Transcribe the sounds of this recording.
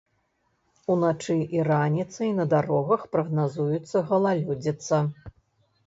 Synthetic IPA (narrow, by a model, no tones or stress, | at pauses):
unat͡ʂɨʔiranʲit̪sɨjnɐd̪aɾɔɣɐxpɾɐɣnazujut̪sːɐɣɐlˠalʲud͡zʲit̪sːɐ